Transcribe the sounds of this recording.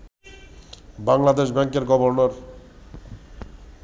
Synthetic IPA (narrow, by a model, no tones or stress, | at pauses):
baŋlad̪eʃbɛŋkeɾɡɔboɾnoɾ